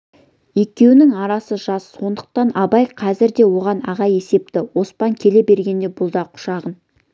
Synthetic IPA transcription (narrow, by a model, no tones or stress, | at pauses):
je̞kʲe̞wɪnɪŋɑɾɑsəʒɑsːo̞nd̪əq̚t̪ɑnɑbɑjqʰɑzɪɾd̪e̞wo̞ʁɑnɑʁɑje̞se̞p̚t̪ɪwo̞spɑŋkʲʰe̞le̞be̞ɾɡʲe̞nd̪e̞bʊlˠd̪ɑqʰʊ̥ʃɑʁən